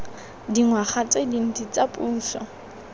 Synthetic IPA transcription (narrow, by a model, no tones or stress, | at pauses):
diŋwaχat͡sʼedin̩dit͡sʼapʼuːn̩ɬɔ̰